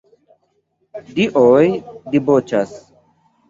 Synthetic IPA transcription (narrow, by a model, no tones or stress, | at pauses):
d̪iʔoːjd̪iboːt͡ɕʰɐs